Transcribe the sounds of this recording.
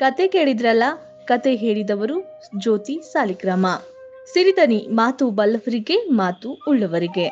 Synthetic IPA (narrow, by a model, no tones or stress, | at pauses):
kɐt̪ekeːɭid̪iɾɐlːɐ | kɐt̪e̞ɦeːɭid̪ɐʋɐɾu | d͡ʒoːt̪isaːlikɾɐmɐ | siɾid̪ɐnimaːt̪ubɐlːɐʋɐɾiɡe̞maːt̪uːɭːɐʋɐɾiɡe̞